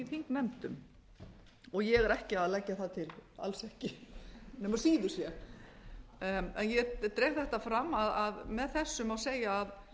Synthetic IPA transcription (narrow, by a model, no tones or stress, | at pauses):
ifiŋknɛnt̪ʏm | ɔɣjɛɣɛɾɛhcɪaðlɛcːaθat̪ʰɪla̰lsɛhcɪnɛmaɾ̥siːðʏɾ̥sjɛ | ɛnjɛt̪ɾeːhθɛht̪afɾamːaðaðmɛðθɛsːʏmaðseːjaːð